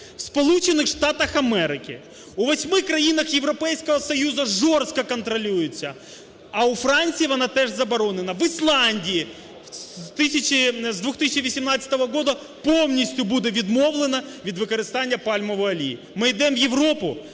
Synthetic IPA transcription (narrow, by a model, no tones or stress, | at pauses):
fspɐlˠut͡ɕɪnːɨxʂt̪at̪ɐxɐmɛɾɪkʲɪ̰ | ʊvɐsʲmɨkɾɐjinɐxjɪvɾɐpɛjskəvɐsɐjuzɐʐorst̪̚kɐkɐnt̪ɾɐlʲujɪt̪sʲɐ | ɐʊfɾanʲt̪sʲɨjvɐnat̪ɛʐzɐbɐɾo̞nɨnɐvɨslˠanʲdʲɪɪ | t̪ɨsʲɪt͡ɕɪzd̪vuxt̪ɨsʲɪt͡ɕɪʋəsʲɪmnat̪sʲə̥t̪əvɐɡo̞d̪ɐ | pomnʲɪsʲt̪ʲjʊbud̪ɛvʲɪd̪mo̞vlˠɨnɐvʲid̪ʋɨkɐɾɨst̪anʲːɪjɐpalʲmɐvɐɐlʲḭ | mɨɪd̪ɛmvjɪvɾopʊ